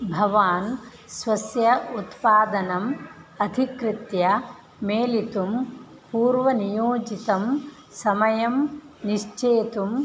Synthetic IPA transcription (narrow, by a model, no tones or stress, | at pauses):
bʱɐʋaːn | sʋɐsjɐut̪paːd̪ɐnɐmɐd̪ʱikɾit̪jɐ | meːlit̪um | puːɾʋɐnijoːd͡ʒit̪ɐm | sɐmɐjɐmniʂt͡ʃeːt̪um